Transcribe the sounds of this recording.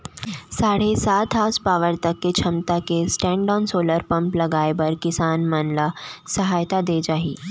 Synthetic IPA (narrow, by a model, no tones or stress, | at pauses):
saːɽesaːt̪ɦaːspaːʋəɾt̪əkːet͡ʃʰɐmt̪akesʈɛ̃ːɳɖɔːnsoːləɾpɐ̃mplɐɡaːjebɐɾkɪsaːnmənlasɐɦaːjt̪ad̪eːd͡ʒaːɦiː